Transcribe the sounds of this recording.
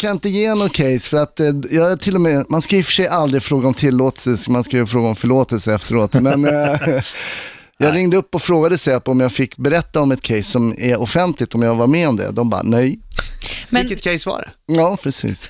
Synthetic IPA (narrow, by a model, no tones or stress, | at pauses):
kʰanɪnt̪əjeːɛnːɔkʰɛjsfœɾat̪jɑːt̪ʰɪlːɔmɛmanskajʏfə̥ʂɛjʔald̪ɾɪfɾoːɡaɔmt̪ʰɪlːoːt̪əssmanskajəfɾoːɡaɔmfœɭoːt̪əlsəɛft̪əɾoːt̪mɛn | jɑːɡɾɪŋd̪əɵpːɔfɾoːɡad̪əsɛapɔmjaːfɪkːbɛɾɛt̪ːaɔmɛt̪̚kʰɛjsːɔmæɾɔfɛnt̪lɪt̪ɔmjaːɡvaɾmɛɔmd̪ɛ̰d̪ɔmbɑ̰ːnɛj | mɪkːət̪kʰɛjsva̰ɾɛ̰ɑːpʰɾɛsḭːs